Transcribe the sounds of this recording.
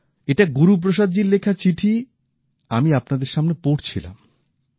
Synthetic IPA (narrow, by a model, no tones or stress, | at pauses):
eʈaɡuɾup̬ɾoʃad̪̚d͡ʑiɾlekʰat͡ɕiʈʰi | amiapnad̪eɾʃamnepoɾt͡ɕʰila̰m